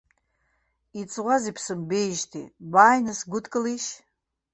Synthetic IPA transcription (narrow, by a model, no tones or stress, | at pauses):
it͡sʼʁʷazipʰsɨmbe̞jʒtʰḭbaːjnɨsɡʷʊtʰʼkʼɨliʃ